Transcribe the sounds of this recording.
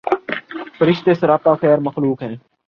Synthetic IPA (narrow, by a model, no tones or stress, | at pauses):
fəɾɪʃt̪eːsəɾaːpaːxɛːɾməxluːkɦɛ̃ː